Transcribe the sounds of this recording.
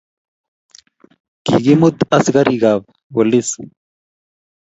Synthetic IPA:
kḭɡimut̪ɐsɡɐɾʔiɡaːv | wolis

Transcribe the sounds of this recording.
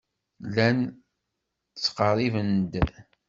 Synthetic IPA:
læn | t͡sːqərˤivənd̪

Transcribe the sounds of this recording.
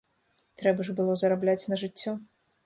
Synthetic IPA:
t̪ɾɛbɐʐbɨlˠɔzɐɾablʲat͡sʲnɐʐɨt͡sʲːɔ

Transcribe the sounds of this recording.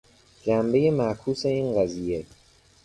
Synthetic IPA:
d͡ʒæmbe̞je̞mæʔkʰuːse̞iːnɢæziːje̞

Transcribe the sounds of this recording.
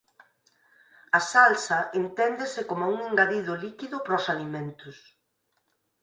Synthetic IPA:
asalsɐʔent̪ɛnd̪esɪkomauŋeŋɡaðiðʊlikiðʊpɾɔsalimẽnt̪ʊs

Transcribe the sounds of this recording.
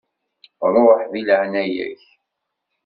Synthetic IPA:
ɾˤoħðiləʕnæjæ̰ç

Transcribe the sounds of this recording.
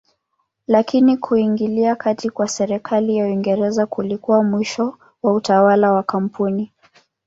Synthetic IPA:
lakinikʰuiŋɡiliakatikwasɛɾɛkʰalijauiŋɡɛɾɛzakulikuwamwiʃɔ | wautawalawakam̩pʰuni

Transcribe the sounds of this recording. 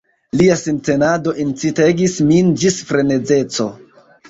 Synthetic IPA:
liasinte̞nado̞ʔint͡site̞ɡismind͡ʒisfɾe̞ne̞d͡ze̞t͡so̞

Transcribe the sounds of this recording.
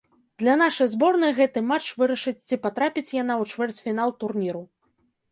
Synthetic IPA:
d̪̥lʲan̪aʂɐjzbɔrnɨjɣɛt̪ɨmat͡ʂvɨɾɐʂɨt͡sʲt͡sʲipat̪ɾapʲit͡sʲjan̪awt͡ʂvɛrt͡sʲfʲinalˠt̪urnʲiɾu

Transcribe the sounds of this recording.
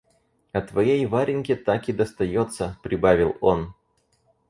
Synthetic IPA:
ɐt̪vɐjejvaɾʲɪnʲkʲɪt̪akʲɪd̪əst̪ɐjot̪səpɾʲɪbavʲɪlˠo̞n

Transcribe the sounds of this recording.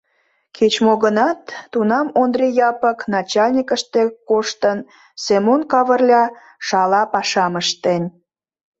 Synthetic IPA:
kʰet͡ɕmoɣənɑt̪ːunɑmond̪rʲijɑpəknɑt͡ɕɑlʲnʲikəʃt̪ekoʃt̪ən | semonkɑβərlʲɑ | ʃɑlɑpɑʃɑməʃt̪enʲ

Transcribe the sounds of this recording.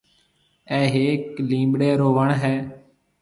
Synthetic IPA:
ɛːɦeːklĩːɓɽeːɾoːʋəɳɦɛː

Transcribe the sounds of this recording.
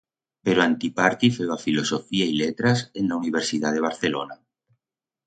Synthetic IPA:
peɾoant̪ipaɾt̪ifewafilosofiailet̪ɾasend̪auniβeɾsið̞aðeβ̞aɾθelona

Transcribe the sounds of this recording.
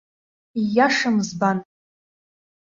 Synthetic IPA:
ijaʂamzban

